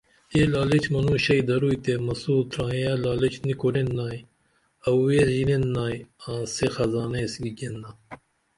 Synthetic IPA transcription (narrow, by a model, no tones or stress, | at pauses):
elɑːlet͡ʃmɐnuːɕɐjd̪ɐɾuːjt̪emɐsuːt̪ɾɑ̃ːjɐlaːlet͡ʃnikuɾenːaːj | ɐwweʒinenːaːjãːsexɐzɑːnesɡiɡenːɐ